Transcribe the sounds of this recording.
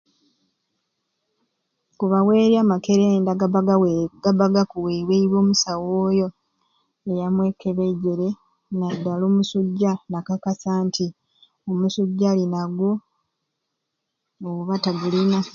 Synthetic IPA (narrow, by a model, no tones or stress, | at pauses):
kuβawe̞ːɾjaːmake̞ɾeːndaɡaaɡaɡ̥aβaɡakuweweiβo̞ːmusawoːjo̞ | ejamwe̞kːe̞βeɟe̞ɾe̞ | nadːaloːmusuɟːanakakasaːntʰi | omusuɟːalinaɡwo | ɣuβataɡulina